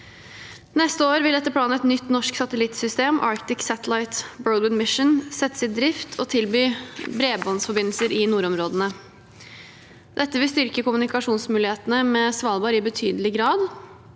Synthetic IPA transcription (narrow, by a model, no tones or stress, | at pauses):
nɛst̪əoːɾʋɪlɛt̪ːəpʰlɑːnəɛt̪nʏt̪ːnɔʂksɑt̪əlɪt̪sʏst̪eːmʔɑ̰ːɾkt̪ɪksæt̪əlɑɪt̪bøːənmɪʂənsɛt̪ːsɪt̪̚d̪ɾɪft̪ʰɔt̪ʰɪlbyːbɾeːbɔnsfɔɾbɪnl̩səɾɪnuːɾɔmɾoːd̪ənə | d̪ɛt̪ːəʋɪlst̪ʏɾkəkʊmʉnɪkɑʂuːnsmʉːlɪeːt̪ənəmɛsʋɑːlˠbɑːɾɪbət̪ʰyːd̪əlɪɡɾɑːd̪